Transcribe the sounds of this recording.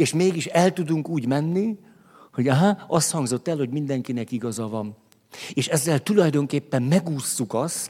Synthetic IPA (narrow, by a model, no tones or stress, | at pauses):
eːʃmeːɡiʃɛlt̪ud̪uŋkuːɟmɛnːi | ho̞ɟaɦaɒst̪hɒŋɡzo̞t̪ːɛlho̞ɟmind̪ɛŋkinɛkiɡɒzɒvɒm | eːʃɛzːɛlt̪ulɒjd̪o̞ŋkeːpːɛmmɛɡuːsːukɒst̪